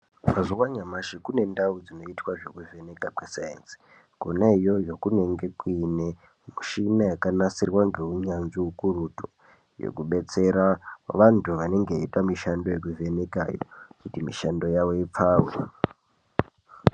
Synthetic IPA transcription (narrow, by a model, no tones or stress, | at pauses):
mazuwaɲamaʃikune̞ndaud͡zino̞itwaʐo̞kuve̞ne̞kakwesajḛnsi̥ | kunaijo̞jo̞kune̞ŋɡe̞kine | muʃinajakanasirwaŋɡe̞uɲanziukurutu̥ | jo̰kuɓe̞t͡se̞ɾaʋantʰuʋane̞ŋɡeitwamiʃando̞jek̬uve̞neka̰jo̞̰kutimiʃando̞jaʋo̞ip͡faːwḛ